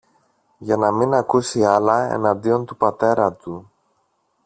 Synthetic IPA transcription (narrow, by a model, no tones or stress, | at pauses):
ʝɐnɐminɐkusiɐlɐḛnɐnd̪io̞nt̪upɐt̪e̞ɾɐt̪u